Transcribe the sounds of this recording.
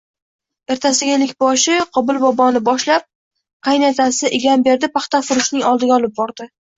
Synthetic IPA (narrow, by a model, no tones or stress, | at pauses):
e̞ɾt̪ʰasɪɡʲaelɪkʲbɒʃɪqʰɒbɪlˠbɒbɒnɪbɒʃlap̚ | qʰɑjnet̪ʰasɪʔɪɡʲanbe̞ɾd̪ɪpɑχt̪afʊɾʊʃnɪŋɒlˠd̪ɪɡʲaɒlˠɪp̚bɒɾd̪ɪ